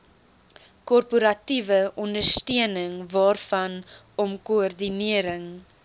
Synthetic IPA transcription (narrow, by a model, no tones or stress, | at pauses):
kɔrpuɾɐtivəʔɔndərstiənəŋvɑːrfɐn | ɔmkuɔrdiniəɾəŋ